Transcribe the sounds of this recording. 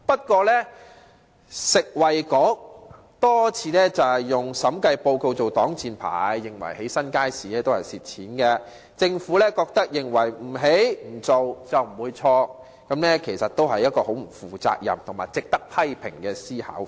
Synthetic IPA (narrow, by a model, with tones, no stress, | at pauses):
pɐ˥t̚kʷɔː˧lɛː˥ | sɪ˨k̚wɐ˨jkɔ˨˥k̚ | t̪ɔː˥t͡sʰiː˨˧lɛː˥t͡sɐ˨whɐ˨jːʊ˨ŋsɐ˨˥mkɐ˧jpo˧wko˧wt͡so˨wt̪ɔː˨˥ŋt͡siː˨˧npʰa̰ː˨jːɪ˨˩ŋwɐ̰˨˩jhe˨˥jsɐ˥nkaː˥jsiː˨lɛː˥t̪o˥whɐ˨˩jsiː˨t̚t͡sʰiː˨˥nkɛ˧ | t͡sɪ˧ŋfuː˨˥lɛː˥kɔː˧k̚t̪ɐ˥k̚jɪ˨ŋwɐ˨˩jm̩˨˩ɦe˨˥jm̩˨˩t͡so˨wt͡sɐ˨wm̩˨˩wuː˨˧jt͡sʰɔː˧ | kɐ˨˧˥mlɛː˥kʰe˨˩jsɐ˨t̪̚o˥wɦɐ˨jːɐ˥t̚kɔː˧ho˨˥wm̩˨˩fuː˨t͡sa̰ː˧k̚jɐ̰˨˩mt̪ʰʊ˨˩ŋmaː˨jt͡sɪ˨k̚t̪ɐ˥k̚pʰɐ˥jpʰɪ̰˨˩ŋkɛː˧siː˥hɐ̰˨˥w